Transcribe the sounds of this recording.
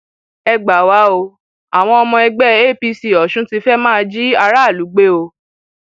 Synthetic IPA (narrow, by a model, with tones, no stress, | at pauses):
ɛ˧ɡ͡ba˨wa˨˦o˧ | a˨w̃ɔ̃˧ɔ˧mɔ̃˧ɛ˧ɡ͡bɛ˦e˦˨pi˧si˨ɔ˨ʃũ˦ti˧fɛ˦mãː˦˨˧d͡ʒi˦a˧ɾa˦˨lu˨˦ɡ͡be˦o˧